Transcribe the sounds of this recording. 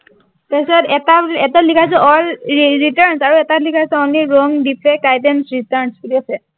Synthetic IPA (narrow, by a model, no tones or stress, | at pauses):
tasatɛtaɛtalikʰas̬ɛɔlɹitaɹnsaɹuɛtatlikʰasɛɔniɹɔŋdipʰɛk̚ajtɛnsɹitaɹnskuliasɛ